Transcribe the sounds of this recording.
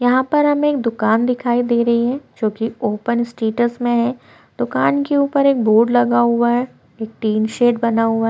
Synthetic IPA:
jɐɦãpɐɾɦɐmẽeːkd̪ʊkaːnd̪ɪkʰaːid̪eːɾɐɦiɦɛ̃ːd͡ʒõːkioːpənɪsʈeːʈəsmẽɦɛ̃ | d̪̥ʊkaːnkeuːpəɾeːk̚boːɖlɐɡaɦʊaɛ | eːk̚ʈiːnʃeːʈbɐnaɦʊaɦ

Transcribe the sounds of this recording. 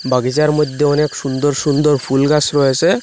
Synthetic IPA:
baɡizaɾmɔjd̪ʱːeɔneksund̪ɔɹsund̪ɔɹpʰulɡasɾɔjese

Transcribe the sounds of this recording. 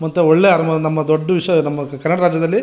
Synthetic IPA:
mɐt̪ːuɔɭːeːaːɾɐmɐɐnɐmːɐd̪oɖːuʋiʂjɐnɐmːɐkɐɾnɐɽɐɾaːd͡ʒjɐd̪ɐlːi

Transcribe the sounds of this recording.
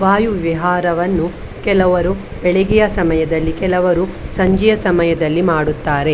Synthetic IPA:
ʋaːjuʋʋiɦaːɾɐʋɐnːu | kɛlɐʋɐɾu | bɛɭeɡijɐsɐmɐjɐd̪ɐlːikɛlɐʋɐɾusɐɲd͡ʒɛjɐsɐmɐjɐd̪ɐlːimaːɽut̪ːaːɾe̞

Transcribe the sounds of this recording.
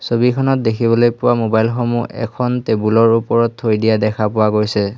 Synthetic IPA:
sobikʰɔnɔt̚dekʰibɔlojpʊwamobajlxomṵʔɛ̰kʰɔntebulɔɹupɔɹɔtʰːojdijadɛkʰapʊwaɡojsɛ

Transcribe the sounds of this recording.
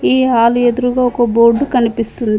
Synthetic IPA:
iːɦaːlued̪uɾuɡaːɔkɐboːɾɖːukɐnipist̪und̪i

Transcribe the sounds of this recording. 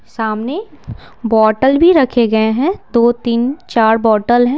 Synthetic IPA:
saːmne | bɔːʈəlbʱiɾɐkʰeɡɐeɦɛ̃d̪oːt̪iːnt͡ʃaːɾbɔːʈəlɦɛ̃ː

